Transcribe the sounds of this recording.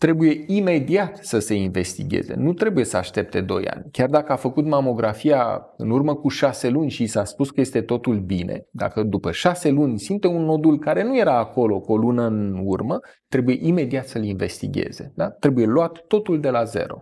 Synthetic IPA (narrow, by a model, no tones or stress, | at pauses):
t̪ɾe̞buje̞ime̞d̪iat̪səse̞inve̞st̪ḭɡʲe̞̰ze̞̰nut̪ɾe̞buje̞səa̰ʃt̪e̞p̚t̪e̞d̪o̞̰ja̰nʲkʲard̪akəafəkut̪mamo̞ɡɾʔafia̰ | ɨ̰nurməkuʃase̞lunʲʃisaspuskəje̞st̪e̞t̪o̞t̪ulbine̞̰d̪a̰kəd̪upəʃase̞lunʲsimt̪e̞unːo̞d̪ulkaɾe̞nuje̞ɾaːko̞lo̞kolunəɨnurmə | t̪ɾe̞buje̞ʔime̞d̪iat̪səlinve̞st̪ḭɡʲe̞̰ze̞̰d̪at̪ɾe̞buje̞loat̪ːo̞t̪uld̪e̞laze̞̰ɾo̞̰